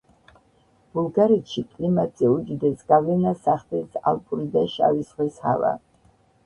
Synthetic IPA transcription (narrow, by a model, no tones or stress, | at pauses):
b̥ulˠɡaɾɛt̪ʃikʼlimat̪zɛud͡ʒid̪ɛsɡavlɛnasaχd̪ɛsa̰lˠpʼuɾid̪aʃa̰visʁwɛsha̰va̰